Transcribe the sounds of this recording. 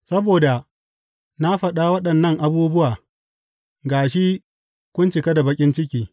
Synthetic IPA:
sɐ˦boː˨da˨ | na˦ɸɐ˨ɗa˦wɐ˦ɗɐ˨nːɐ˦ŋʔa˦buː˦bʊ˦waː˨ | ɡaː˨ʃi˦ | kʷʊ˦nt͡ʃɪ˨ka˦da˨bɐ˦kʲʼɪ˦nt͡ʃɪ˦k̬ʲiː˨

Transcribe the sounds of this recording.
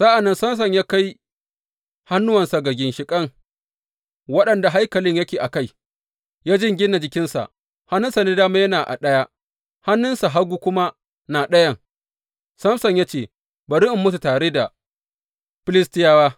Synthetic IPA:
sa˦ʔa˨nːɐ˦nsɐ˦ms̬ɐ˨ɲjaː˦ka˦j | ha˦nːʊ˦wɐ˨nsa˨ɡɐ˨ɡʲɪ˨nʃɪ˨kʼɐ˦ŋ | wɐ˦ɗɐ˨nda˨ɦa˦jkɐ˨lɪ˦ɲjɐ˦kʲeː˨ʔa˨ka˦˨j | jaː˦d͡ʒɪ˦ŋɡʲɪ˦nːa˨d͡ʒɪ˦kʲɪ˦nsa̰˨ʔ | ha˦nːʊ˦nsa˨neː˦daː˦maː˦jɐ˦naː˨ʔa̰˨ɗɐ˦ja˦ | ha˦nːʊ˦nsa˨ɦa˦ɡuː˦kʷʊ˦ma˦ | naː˨ɗɐ˦jɐ˦˨ŋ | sɐ˦msɐ˨ɲjaː˦t͡ʃeː˦˨ | bɐ˨ɾɪ˦ʔmːʊ˦s̬u˨taː˨ɽeː˦da˨ | ɸɪ˦lɪ˦stɪ˦jaː˦waː˦

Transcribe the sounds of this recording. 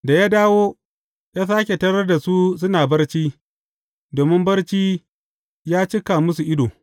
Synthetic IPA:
da˨jaː˦daː˦woː˦ | jɐ˦saː˦kʲe˨tɐ˦ɾɐ˦rda˨su˦sʊ˦naː˨bɐ˦rt͡ʃiː˦ | doː˨mɪ˦mbɐ˦rt͡ʃiː˦ | jaː˦t͡ʃɪ˦ka˨mʊ˦su˨ʔɪ˦doː˨

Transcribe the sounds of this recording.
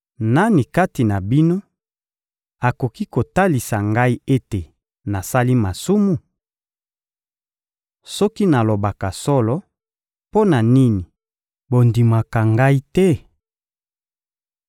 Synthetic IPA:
na˦ni˨ka˦ti˨na˨bi˦no˦ | a˨ko˨ki˦ko˨ta˦li˨sa˨ŋɡa˦i˦e˦te˨ | na˨sa˦li˦ma˨su˦mu˨ | sɔ˦ki˦na˨lo˨ba˨ka˨sɔ˦lɔ˦ | po˦na˨ni˦ni˨ | bo˨ndi˨ma˨ka˨ŋɡa˦i˦tɛ˦

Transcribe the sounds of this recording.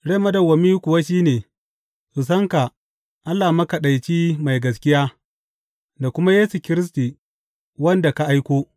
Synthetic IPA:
ɽe˦mɐ˦dɐ˨wɐ˨miː˦kʷʊ˨wa˦ʃiː˦neː˨ | ʔʊ˨s̬ɐ˦ŋka˨ | ʔa˦lːaː˨mɐ˦ka˨ɗa˨jt͡ʃiː˦ma˨jɡɐ˨skʲɪ˦jaː˦ | da˨kʷʊ˦ma˦jeː˦su˨kʲɪ˦ɾɪ˦s̬ti˨ | wɐ˦nda˨ka˨ʔa˦jkʷoː˦

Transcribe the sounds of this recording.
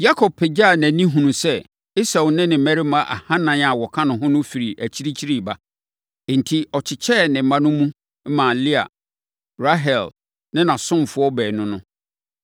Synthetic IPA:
ja˦kʰɔ˨b̚pʰɪ˨d͡ʑa˦˨næ̃˨nĩ˦ɦũ˨nũ˨sɛ˦ | i˦sa˨nɪ̃˦nɪ̃˨mæ˦ɾi˦mã˨ʔa̰˨hã˦nã˨n˦a˨wɔ˨kʰã˦nʊ̃˨ɦʊ̃˦nʊ̃˦fi˨ɾi˨ʔæ˨t͡ɕʰi˦ɾi˦t͡ɕʰi˦ɾi˦˨ba˨ | n̩˨tʰi˦ɔ˨t͡ɕʰɪ˨t͡ɕʰɛ˦˨nɪ̃˨m̩˨mã˦nʊ̃˦mũ˦ | mã˨li˦a̰˨ | ɾa˦ɦɛ˨l | nɪ̃˦nã˨sʊ̃˦m˨fʊ˦ɔ˦bɛː˨nʊ̃˦nʊ̃˦

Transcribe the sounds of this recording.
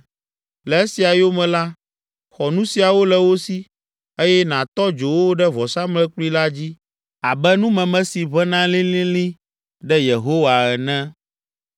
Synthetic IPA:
lɛ˨e˦si˨a˨jo˦mɛ̃˨la˦ | xɔ˨nũ˦si˨a˨wo˦lɛ˨wo˦si˦ | e˦jɛ˦nã˨t̪ɔ˦d͡ʒo˨wo˦ɖɛ˦vɔ˨sa˦mlɛ˦k͡plu˦i˦la˦d͡ʑi˦ | a˨bɛ˦nũ˦mɛ̃˨mɛ̃˦si˨βɛ˦nã˦lĩ˦lĩ˦lĩ˦ | ɖɛ˦je˨ɦo˦wa˨ɛ˨nɛ̃˦

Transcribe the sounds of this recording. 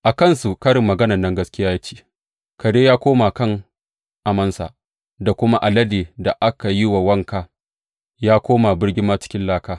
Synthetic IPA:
ʔa˨kɐ˦˨nsu˨kɐ˦ɽɪ˨mːɐ˨ɡɐ˦nɐ˨nːɐ˦ŋɡɐ˦skʲɪ˦jaː˦ja˦t͡ʃe̥ː˦ | kɐ˨deː˦jaː˦kʷoː˦ma˨kɐ˦ŋ | ʔa˨mɐ˦nsa̰˨ | da˨kʷʊ˦ma˦ʔa˨lɐ˦deː˨da˨ʔa˦ka˨ji˦wa˨wɐ˦ŋkaː˦ | jaː˦kʷoː˦ma˨bɪ˦ɽɡʲɪ˦maː˦t͡ʃɪ̥˦kʲɪ˦nlaː˦kaː˦

